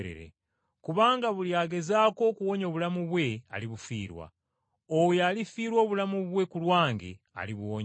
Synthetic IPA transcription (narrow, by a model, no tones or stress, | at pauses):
ɾḛɾḛ | kuβaːŋɡaβuljaːɡe̞zaːko̞kuwo̞ɲo̞βulamuβwe̞a̰liβufḭːɾwa̰ | owjalifiːɾwo̞ːβulamuβwe̞kulwaːŋɡḛ | a̰liβuwoɲ